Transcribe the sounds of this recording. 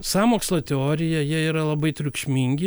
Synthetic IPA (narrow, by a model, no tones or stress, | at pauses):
sɑːmoːkslˠɐt̪ʲɛoːɾʲɪjɛjiɛiːɾɐlˠɐbɐɪt̪ʲɾʲʊkʃʲmʲiːŋʲɡʲɪ